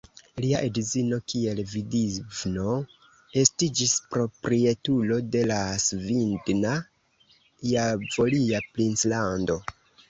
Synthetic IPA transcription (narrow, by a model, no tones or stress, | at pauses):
liaʔedizino̞kie̞lvidivno̞ | e̞stid͡ʒispɾo̞pɾie̞tulo̞de̞lasvindna | javo̞liaplinslando̞